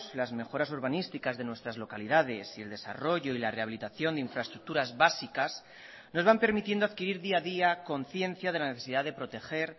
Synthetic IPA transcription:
slazme̞xo̞ɾasoɾβanist̪ikazðe̞nwe̞st̪ɾazlo̞kaliðað̞e̞sie̞ld̪e̞sa̰ro̞ʝo̞ilare̞aβilit̪aθjo̞nd̪eiɱfɾaest̪ɾuk̚t̪uɾazβasikas | no̞zβampe̞ɾmit̪je̞nd̪aðkiɾiɾðiaðiako̞nθje̞n̟θjaðelaneθesiðaðe̞pɾo̞t̪e̞xe̞ɾ

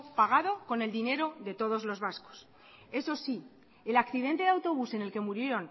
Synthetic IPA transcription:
paɣ̞aðo̞ko̞ne̞ld̪ine̞ɾo̞ðe̞t̪o̞ð̞o̞zlo̞zβasko̥s | e̞so̞si | elakθiðe̞nt̪e̞ðawt̪o̞β̞use̞ne̞lke̞muɾje̞ɾo̞n

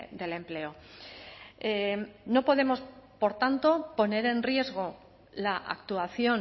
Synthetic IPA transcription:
d̪e̞le̞mple̞o | eno̞po̞ðe̞mo̞spo̞ɾt̪ant̪o̞po̞ne̞ɾe̞nrie̞zɣ̞o̞ | laʔa̰kt̪uaθjo̞n

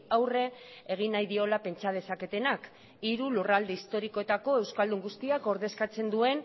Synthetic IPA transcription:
awre̞eɣ̞inːajðio̞lape̞nt͡ʃað̞e̞sake̞t̪e̞nak | iɾulurald̪e̞ist̪o̞ɾiko̞e̞t̪ako̞e̞wskald̪uŋɡust̪iako̞ɾðe̞skat͡se̞nd̪ue̞n

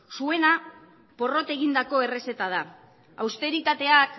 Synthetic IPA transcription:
sue̞na | po̞ro̞t̪e̞ɣind̪ako̞e̞re̞se̞t̪að̞a | a̰wst̪e̞ɾit̪at̪e̞ak

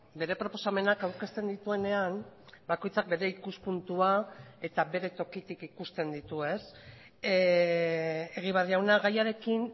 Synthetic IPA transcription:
be̞ɾe̞pɾo̞po̞same̞nakawɾke̞st̪e̞nd̪it̪ue̞ne̞anbako̞jt͡sak̚be̞ɾe̞ikuspunt̪uae̞t̪aβbe̞ɾe̞t̪o̞kit̪ikikust̪e̞nd̪it̪ue̞s | e̞ɣ̞iβariawnaɣajaɾe̞kin

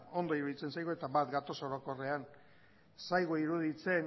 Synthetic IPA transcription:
o̞nd̪o̞iɾuðit͡se̞nsajɣue̞t̪abat̪ɡat̪o̞soɾo̞ko̞re̞an | sajɣ̞uiɾuðit͡se̞n

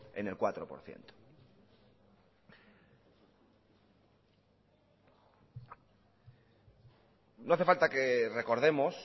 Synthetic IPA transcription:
ḛne̞lkwat̪ɾopo̞̰ɾθjḛnt̪o̥ | noaθe̞falt̪ake̞re̞ko̞ɾðe̞mos

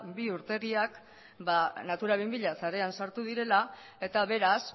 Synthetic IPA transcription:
biuɾt̪e̞ɣiak | banat̪uɾaβimbiʎasaɾe̞ansaɾt̪uð̞iɾe̞la | e̞t̪aβ̞e̞ɾas

